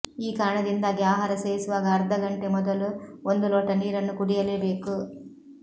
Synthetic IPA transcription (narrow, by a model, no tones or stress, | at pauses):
iːkaːɾɐɳɐd̪ind̪aːɡiaːɦaːɾɐseːɾisuʋaːɡɐːɾd̪ʱɐɡɐɳʈe̞mɔd̪ɐluond̪ulɔːʈɐniːɾɐnːukuɽijɐle̞ːbe̞ːku